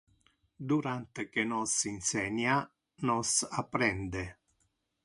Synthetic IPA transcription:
d̪uɾant̪ekenɔsinsɛɲa | nɔsapːɾɛnd̪e

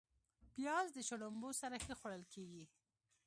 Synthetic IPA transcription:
pjɑzd̪ət͡ʃoɽʊmbosaɾaxəxwaɽəlkeɡi

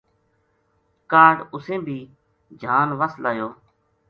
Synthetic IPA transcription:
kaːɖʊsẽːbʱiː | d͡ʒʱaːnʋəslaːjoː

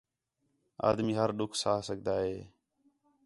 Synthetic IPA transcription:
a̰ːd̪miːɦəɾɗʊkʰsaːsəɡʱd̪aːɦeː

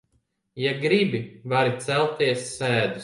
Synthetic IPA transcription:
jaɡɾibivaɾit̪sælˠt̪iɛsːæːd̪u

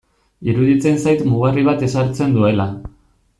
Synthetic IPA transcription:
iɾuðit͡se̞nsajt̪muɣ̞ariβ̞at̪e̞saɾt͡se̞nd̪ue̞la

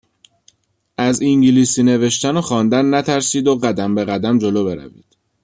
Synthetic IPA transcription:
ʔæziŋɟiliːsiːne̞ve̞ʃt̪ænoxɒːnd̪ænːæt̪ʰæɾsiːd̪oɢæd̪æmbe̞ɣæd̪æmd͡ʒo̞loːbe̞ɾæ̰vḭːd̪̥

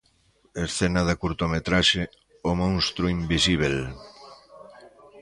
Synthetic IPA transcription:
esθenaðakuɾt̪omet̪ɾaʃe | omõŋst̪ɾuimbisiβ̞el

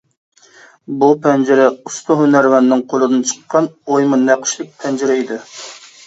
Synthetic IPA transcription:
bupʰɛnd͡ʒɪɾɛust̪ʊɦynæɾwɛnːɪŋqʰolˠɨd̪ɨnt͡ʃʰə̥qːɑnojmɨæqʰə̥ʃlˠɪk̚ʲpʰɛnd͡ʒɪɾɛid̪ɪ

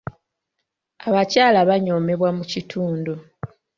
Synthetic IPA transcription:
aβacaːlaβaɲo̞me̞βwamucitʰuːndo

